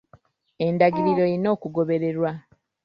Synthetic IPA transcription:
e̞ndaɡiɾiɾo̞jino̞ːkuɡo̞βe̞ɾe̞ɾwa

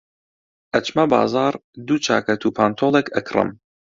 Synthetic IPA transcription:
ʔɐt͡ʃmɐbɑ̰ːzɑːɾd̪ut͡ʃʰa̰ːkɐt̪ʰuːpʰaːnt̪ʰoːlˠekʰɐkʰrɨ̰m

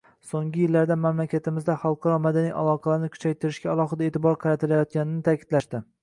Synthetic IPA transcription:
soŋɡʲɪjɪlːaɾd̪amamlakʲat̪ʰɪmɪzd̪aχɑlˠqʰɑɾɒmad̪anijʔa̰lˠɒqʰɑlaɾɪnɪkʰʊ̥t͡ʃʰajt̪ʰɪɾɪʃkʲaalˠɒχɨd̪ae̞ːt̪ɪbɒɾqʰɑɾat̪ʰɪlajɒt̪̚ɡʲanɪnɪt̪ʰakʲʰɪd̪laʃd̪ɪ

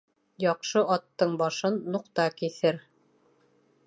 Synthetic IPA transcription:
jɑqʃɤʔɑt̪ːɤɴbɑʃɤnːuqt̪ɑkiθɘɾ

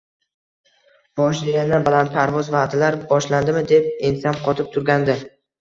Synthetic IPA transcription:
b̥ɒʃd̪eɡʲand̪anbalant̪̚pʰaɾvɒzvad̪ɪlaɾbɒʃland̪ɪmɪd̪e̞p̚ɪnsanqʰɒt̪ʰɪp̚t̪ʰʊɾɡʲand̪ɪ

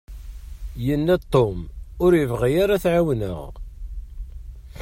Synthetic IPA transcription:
jənːæt̪ˤːomʊɾjəvʁijaɾaθʕawnə̰ʁ

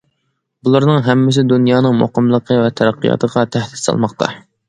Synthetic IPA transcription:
bulˠɑɾnɨŋɦɛmːɪs̬ɪd̪unjɑːnɨŋmo̰qəmlˠəqʰəvɛt̪ʰɛɾæqʰːijɑ̰t̪ʰəʁɑt̪ʰæhd̪ɪ̥sɑ̰lˠmɑχqt̪ʰɑ̰

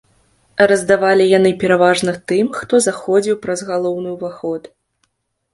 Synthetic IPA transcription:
rɐzd̪avalʲijan̪ɨpʲɛɾavaʐnɐt̪ɨmxt̪ɔzaxɔd͡zʲiwpɾɐzɣalˠɔwnɨuvaxɔt̪

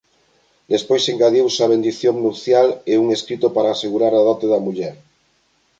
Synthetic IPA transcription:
d̪espojseŋkaðjowsaβ̞end̪iθjoŋnupθjaleuŋeskɾit̪opaɾaːseɣuɾaɾaðɔt̪eðɐmuʎɛɾ

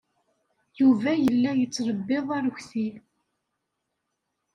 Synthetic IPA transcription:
juvæjəlːæjət͡sːɾˤəbːɪðˤaɾçθi

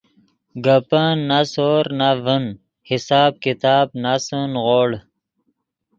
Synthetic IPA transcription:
ɡəpanːasoːɾnavən | hisaːb̚kit̪aːbnasənʁoːɽ

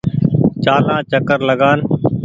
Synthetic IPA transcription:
t͡ʃaːlãːt͡ʃəkəɾləɠaːn

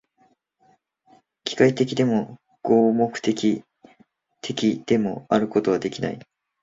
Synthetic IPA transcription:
kʲi̥kait̪e̞kʲid̪e̞mo̞ | ɡ̥oːmo̞kɯ̟̥t̪e̞kʲi | t̪ʰe̞kʲid̪̥e̞mo̞aɾɯ̟ko̞t̪o̞βad̪e̞kʲina̰i

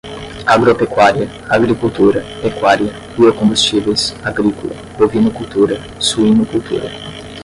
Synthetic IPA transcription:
aɡɾopekwaɾiɐ | aɡɾikuwt̪uɾɐ | ekwaɾjiɐ | biokõmbust͡ʃivejsaɡɾikolɐ̰ | d̪ovinʊkuwt̪uɾɐ | suĩnʊkuwt̪ṵɾɐ̰

